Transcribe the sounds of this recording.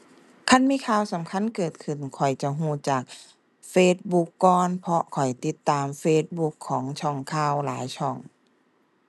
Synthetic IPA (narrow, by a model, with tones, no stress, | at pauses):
kʰa˧˥˨nmiː˧˥˨kʰaː˧˩wsa˨˦mkʰa˧˥˨nkɤː˨˩t̪̚kʰɯ˨˩nkʰɔ˨˩jt͡ɕa˧ɦũː˧˩t͡ɕaː˨˩k̚ | feː˧˥t̪̚bu˧kːɔː˧npʰɔ˧kʰɔ˨˩jt̪i˧˦t̪ːaː˨mfeː˧t̪̚bu˧˥kʰːɔː˩˦ŋt͡ɕʰɔ˧˩ŋkʰaː˧˥˩wlaː˩˦jt͡ɕʰɔ˧˩ŋ